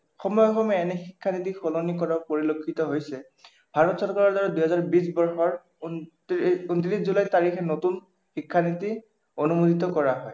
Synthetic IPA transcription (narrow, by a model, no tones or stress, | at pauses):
xɔmɔjɔxɔmɛɛnɛxikʰːanitixɔlonikɔɹaɹpoɹilokʰːitɔɦojsɛ | b̥ʱaɹɔtsɔlkɔɹaɹdaɹɔduɦɛzaɹbis̬bɔɹxɔɹ | n | untiɹiszulajtaɹixɛnotun | xikʰːaniti | onumuditɔkɔɹaɦɔj